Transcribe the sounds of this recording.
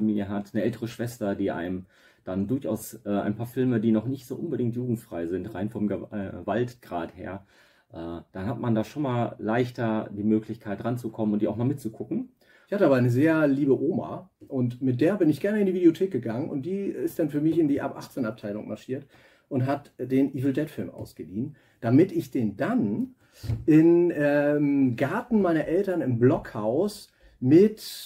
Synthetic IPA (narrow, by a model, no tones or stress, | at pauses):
amiːljəɦatnəʔɛltəʁəʃv̥ɛstɐdiːʔa̰ɪmm | d̥andʊɐçʔa̰ʊsʔɛːʔa̰ɪnpʰaːɐfɪlmədiːnɔχnɪçtz̥o̰ːʔʊnbədɪŋktjuːɡŋ̩tfʁ̥aɪzɪntʁa̰ɪnfɔmɡəɛvaltɡ̥ʁa̰ːthḛːɐ | ʔɛːd̥anɦatmandaːʃoːnmaːllaɪçtɐdiːmøːklɪçkʰaɪtʁant͡sukʰɔmənʊntd̥iːaʊxmalmɪt̚t͡sukʰʊkŋ̩ | ɪçhatəaːbaaɪnəzeːɐliːbəʔoːma̰ʔʊntmɪt̚d̥eːɐbɪnɪçɡ̥ɛɐnəɪndiːvideotʰeːk̚ɡ̥əɡaŋənʊ̰nt̚d̥iːɪstd̥anfyːɐmɪçɪndiːʔa̰pʔaχt͡seːnap̚tʰaɪlʊ̰ŋma̰ɐʃiːɐt | ʔʊntɦatd̥eːnʔiːvl̩dɛtfɪlmʔa̰ʊsɡ̥əliːn | d̥amɪtɪçd̥eːndan | ʔɪnɛmɡaɐtn̩maɪnɐʔɛltɐnɪmblɔkhaʊs | mɪt